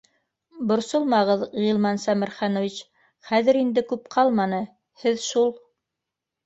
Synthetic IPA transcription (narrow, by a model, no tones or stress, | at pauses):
bŏɾsolˠmɑʁɤðʁilˠmɑnsæmɘ̆ɾχɑnŏvit͡ɕ | χæðɘɾind̪ɘkʉpqʰɑlˠmɑnɤ | hɘðʃulˠ